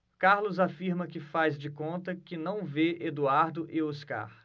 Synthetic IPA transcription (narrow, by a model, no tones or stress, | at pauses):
kaɾlʊzafiɾmɐkɪfazd͡ʒɪkõnt̪ɐkɪnɐ̃w̃veed̪uaɾd̪ʊʔɪoska̰ɾ